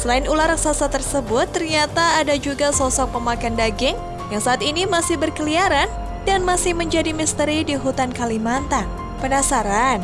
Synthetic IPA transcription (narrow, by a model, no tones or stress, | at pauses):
səlaɪnulaɾaksasat̪ərsəbʊt̪ːərɲat̪aːdad͡ʒuɡasɔsɔk̚pəmakandaɡɪŋ | jaŋsaːt̪inimasɪhbərkəliaɾan | danmasɪhməɲd͡ʒadimist̪əɾidiɦut̪ankalimant̪an | pənasaɾan